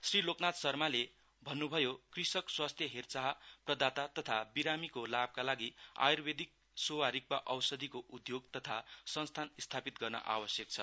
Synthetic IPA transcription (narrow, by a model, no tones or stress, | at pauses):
sriloknat̪sʌrmale | bʱʌnːubʱʌjokrisʌkswast̪ʰjʌɦert͡saɦprʌd̪at̪at̪ʌt̪ʰabiɾamikolab̚kalaɡia̰jurbed̪ik̚ | sowaɾik̚baʔʌwsʌd̪ʱikoʔud̪joɡt̪ʌt̪ʰasʌnst̪ʰanist̪ʰapit̪̚ɡʌrnʌ̰ʔa̰wʌsjʌk̚t͡sʰʌ̰